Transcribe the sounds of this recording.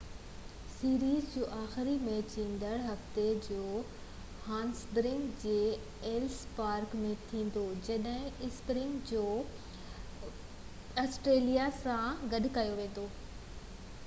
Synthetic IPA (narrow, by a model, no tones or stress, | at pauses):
siːɾiːzd͡ʑoːʔaːxɪɾimẽːt͡ɕĩːnd̪əɽɦɐft̪ed͡ʑoː | haːnsd̪ɾɪ̃ŋɡd͡ʑeː | eːlspaːɾkmẽt̪ʰĩːnd̪od͡ʑɐɗɦɪ̃ɪspɾɪ̃ŋɡd͡ʑoː | aːsʈɾeːlijasãɡɐɗɪ̆kajoʋẽːn̆d̪oː